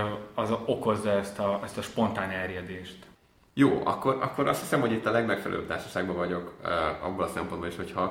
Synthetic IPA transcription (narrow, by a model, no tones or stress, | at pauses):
ɒzo̞ko̞zːɒɛst̪ɒɛst̪ɒʃpo̞nt̪aːnɛrjɛd̪eːʃt̪ | joːʔɒ̰kːo̞ɾʔɒ̰kːoɾʔɒ̰st̪hisɛmhoɟit̪ːɒlɛɡmɛkfɛlɛ̰lø̰ːp̚t̪aːrʃɒ̥ʃaːɡbɒvɒɟo̞kːɒ̰bːolɒsɛmpo̞nboliʃho̞chɒ